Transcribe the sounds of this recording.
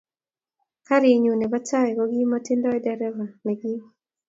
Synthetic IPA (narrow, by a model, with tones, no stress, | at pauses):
ka˦ɾi˨ɲu˨nɛ˨ba˦t͡ʃa˦ɛ˨ɡɔ˦ɡi˦ma˦tɪ˦ndɔ˦ɛ˦dɛɾɛ˦va˨mɛ˨ɡi˦